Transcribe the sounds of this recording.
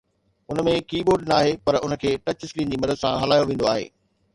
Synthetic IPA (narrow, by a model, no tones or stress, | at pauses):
ʊnmẽkiːboːɾɖnɐaːɦepɐɾʊnə̆kʰeːʈɐt͡ɕɪslĩːnd͡ʑiːmɐd̪əd̪sãɦɐlaːjoʋẽːnd̪oaːɦḛː